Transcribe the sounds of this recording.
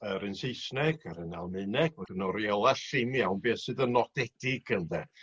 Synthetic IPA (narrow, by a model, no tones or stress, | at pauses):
əɾɨnsejsnɛɡəɾəna̰lˠmɨnɛɡ̥ɔdənɔɾjɛlˠaɬɪmjawnbiːsɨðənɔdɛd̥ɪɡ̥ənðɛ